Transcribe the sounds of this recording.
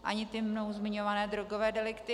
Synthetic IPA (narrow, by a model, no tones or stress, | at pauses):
ʔa̰ɲɪt̪ɪmno̞wzmɪɲo̞vanɛːd̪ɾoɡovɛːdɛlɪkt̪ɪ